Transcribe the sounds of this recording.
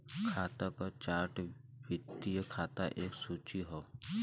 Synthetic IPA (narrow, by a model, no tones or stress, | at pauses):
kʰaːt̪akat͡ʃaːɾʈʋɪt̪ːijəkʰaːt̪aʔeːksuːt͡ʃiɦoː